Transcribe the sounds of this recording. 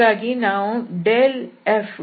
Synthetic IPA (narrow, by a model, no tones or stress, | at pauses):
aɡinãːõɖelɛf